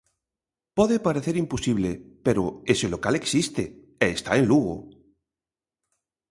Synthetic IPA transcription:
pɔðepaɾeθeɾimpusiβ̞lepeɾoeselokaleksist̪e | eːst̪aenluɣo̰

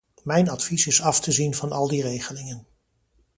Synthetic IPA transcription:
mɛjnɑtfisɪsɑftəzinvɑnɑlˠdirejχəlɪŋən

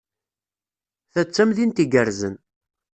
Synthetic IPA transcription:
θæt͡sːæmðint̪iɡəɾzən

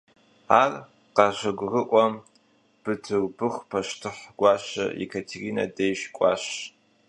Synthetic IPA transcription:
aːr | qɑʒɐɡʷrɨʔʷʼɔm | b̥ɨtʰɨrbɨχʷpʰɐʃtʰɨħɡʷɑːʃɐ̰ḭkʰɐtʰerinɐ̰dejʃkʷʼɑːɕ

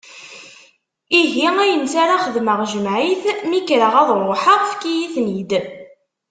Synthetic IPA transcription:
iɦiæjənsaɾaχəðməʁʒəmʕiθmikɾəʁɑðˤɾˤoħəʁfkijiθnid̪

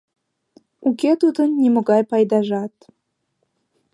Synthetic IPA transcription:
uket̪ud̪ənːʲemoɣɑjpɑjd̪ɑʒɑt̪

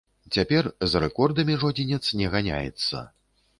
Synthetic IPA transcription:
t͡sʲapʲɛrzrɛkɔrd̪ɐmʲiʐɔd͡zʲɛnʲɛt̪snʲɛɣanʲa̰jɛ̰t̪sːɐ̰

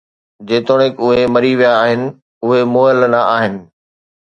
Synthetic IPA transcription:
d͡ʑeːt̪oɽ̃ekʊɦemɐɾiʋijaːɦɪnɪ̆ | ʊɦemoːəlnɐʔaːɦɪnɪ̆

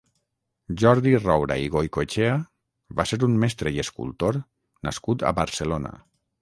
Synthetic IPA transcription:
ʒɔɾðirɔwɾa̰iɣojkot͡ʃea | βaseɾummɛst̪ɾejeskṵlˠt̪oɾ | na̰skut̪a̰βaɾselona̰

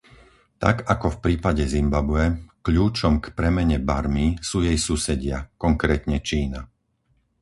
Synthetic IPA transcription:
t̪a̰ɡakɔfpɾiːpaɟɛzimbabʊɛkʎuːt͡ʃɔmkpɾɛmɛɲɛba̰ɾmisuːjɛjsuːsɛɟɪakɔŋkɾɛːt̪ɲɛt͡ʃiːna

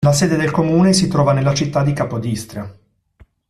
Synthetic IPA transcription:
laseːd̪ed̪elkomuːnesit̪ɾɔːvanelːat͡ʃit̪ːad̪ikaːpod̪ist̪ɾa

